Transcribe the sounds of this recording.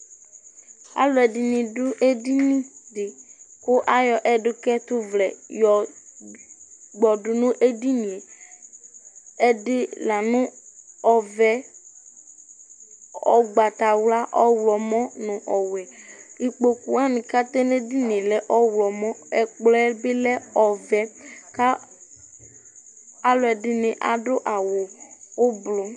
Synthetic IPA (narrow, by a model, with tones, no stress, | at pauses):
a̰˦lɔ˨ɛ˨di˨nĩ˨dʊ˦ʔe˦di˦nĩ˦dɪ˨kʊ˦ʔa˦jɔ˨ʔɛ˦ɖʊ˦kɛ˦t̪ʊ˦vlɛ˨jɔ˨ | ɡ͡bɔ˨ɖʊ˨nʊ̃˦ʔe˦di˦nĩ˨e˨ | ɛ˦dɪ˦la˨nʊ̃˦ɔ˨vɛ˦ | ɔ˨ɡ͡ba˨t̪a˨wla˦ʔɔ˦wlɔ˨mɔ̃˦nʊ̃˨ʔɔ˨wɛ˨i˨k͡po˨ku˨a˦nĩ˨ka˦t̪e˦ne˦di˦nĩ˨e˨lɛ˦ʔɔ˦wlɔ˨mɔ̃˦ɛ˨k͡plɛ˦be˦lɛ˦ɔ˨vɛ˦ka˦ | a˦lʊ˨˦ɛ˨ɖɪ˨nɪ̃˨ʔa̰˨ɖʊ˦ʔa˨wo˨wo˦blo˨